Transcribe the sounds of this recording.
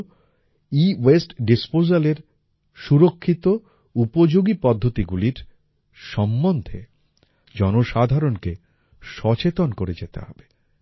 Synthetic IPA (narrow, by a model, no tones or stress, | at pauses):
iwesʈɖispozaleɾ | ʃuɾokʰːit̪o | upod͡ʑoɡipɔd̪ʱːot̪iɡuliɾ | ʃɔmːond̪ʱe | d͡ʑɔnoʃad̪ʱaɾonke | ʃɔt͡ɕet̪onkoɾed͡ʑet̪ḛɦɔb̥e̥